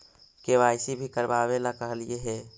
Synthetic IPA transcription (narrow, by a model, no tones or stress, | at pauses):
keʋajsibʱikəɾbaβelakəɦəlijeɦe